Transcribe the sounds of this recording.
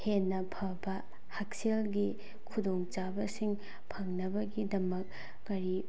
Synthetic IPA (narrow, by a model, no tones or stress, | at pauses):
henːɐpʰɐbɐ | hak̚selɡi | kʰudoŋt͡ʃabɐsiŋ | pʰɐŋnɐbɐɡidɐmɐk̚ː | ɐɾi